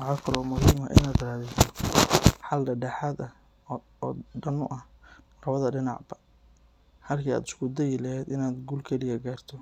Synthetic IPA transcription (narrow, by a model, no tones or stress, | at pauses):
wɑʕɑːkʰɐlɔːmʊɦiːmɐ̰ʔɪ̰naːd̪raːðɪt̪ɔ | ħɑld̪ɐɖɛħɑd̪ɐː | ɖɐnʊʔɐhrɐβɐðɐɖɪnɑ̰ʕbɐ | ħɐlkʰiːa̰ːd̪ɪ̥skʰʊd̪ɛjɪlɐɦɛd̪ɪnaːd̪ɡuːlkʰɛlɪjɐɡaːrt̪ʰɔ